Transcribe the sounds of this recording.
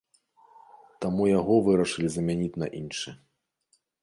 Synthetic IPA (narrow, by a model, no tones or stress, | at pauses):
t̪amujaɣɔvɨɾɐʂɨlʲizɐmʲanʲit͡sʲnɐ̰ʔinʂɨ